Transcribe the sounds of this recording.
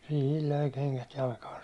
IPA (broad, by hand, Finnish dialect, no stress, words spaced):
sihil løi keŋkæt jɑlkɑːn̞